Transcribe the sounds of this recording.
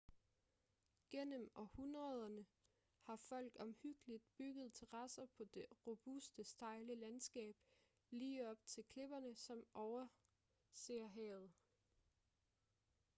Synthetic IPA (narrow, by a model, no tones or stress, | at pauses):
ɡ̥en̰əmɒ̽hunʁɐð̞ˠɐnə | hɑ̈fɒ̽l̰ɡ̥ɒ̽mhyɡ̥əlid̥̚b̥yɡ̥ð̞̩ˠt͡sʰeʁɑsɐpʰɒ̽d̥e̝ʁob̥usd̥əsd̥ɑ̈ɪləlænsɡ̥ɛ̰ːb̥ | liːɒ̽b̥̚t͡sʰe̝lkʰle̝b̥ɐnəsɒ̽mʔɒʊɐ | se̝ːɐɦɛ̰ːð̩ˠ